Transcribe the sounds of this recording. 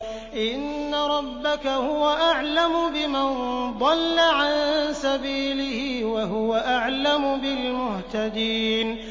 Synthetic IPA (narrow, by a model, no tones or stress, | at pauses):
ʔɪnːaɾˤɑbːakahʊwaʔaʕlamʊbɪmand̪ˤɑlːaʕansabiːlɪhiːwaɦʊwaʔaʕlamʊbɪlmʊht̪ad̪iːn